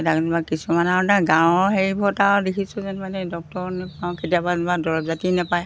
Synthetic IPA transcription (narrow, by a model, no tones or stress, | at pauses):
daknbakisumanataɡãw̃ɦeɹibʰʱɔtadekʰisʊzɛnmanɛdɔk̚tɔɹnɛpawketijababadɔɹɔbzatinapaj